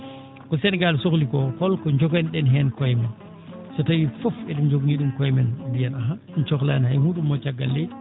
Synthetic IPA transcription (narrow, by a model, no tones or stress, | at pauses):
kɔsɛnɡalsoklikɔkɔlkɔɲd͡ʒɔkɛnɗɛnɦɛnkɔjmɛn | sɔtajifɔfɛɗɛnɲd͡ʒoɡɲiɗumkɔjmɛnbijanaɦa | nt͡ʃɔkla̰nhajhuːɗumːɔt͡ʃaɡːalːɛ